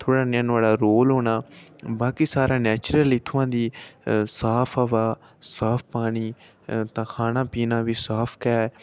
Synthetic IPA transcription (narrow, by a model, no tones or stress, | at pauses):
t̪ʰoːɽaːnɪnaːɽaːɾoːlɦoːnaːbaːkiːsaːɾãːnɛːt͡ʃɾəliːt̪ʰʊʋãːd̪iːsaːpʰaʋaː | saːpʰpaːɽiː | t̪ãːkʰaːnãːpiːnãːʋiːsaːpʰkɛɛː